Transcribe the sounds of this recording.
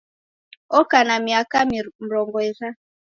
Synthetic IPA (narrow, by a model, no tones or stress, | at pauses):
ɔkanamiakam̩ɾɔŋɡɔɛɾa